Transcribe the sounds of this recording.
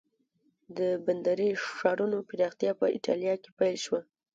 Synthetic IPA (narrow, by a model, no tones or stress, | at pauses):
d̪əband̪aɾiʂɑɾunopɪɾɑxt̪jɑpəɪʈɑ̰ljɑkepajlʃwa